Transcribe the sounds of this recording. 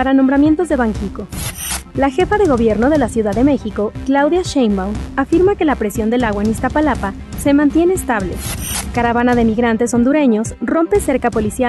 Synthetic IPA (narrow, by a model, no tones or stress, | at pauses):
aɾanõ̞mbɾamje̞nt̪o̞zðe̞βaŋkiko̞laxe̞faðe̞ɣo̞β̞je̞ɾno̞ð̞e̞lasjuðaðe̞me̞xiko̞klawðjaʃejmbawafiɾmakelapɾe̞sjo̞nd̪elaɣwaenist̪apalapa | se̞mãnt̪je̞ne̞ːst̪aβle̞̰kaɾaβanaðemiɣɾant̪e̞so̞nd̪uɾe̞ɲo̞sro̞mpe̞se̞ɾkapo̞lisja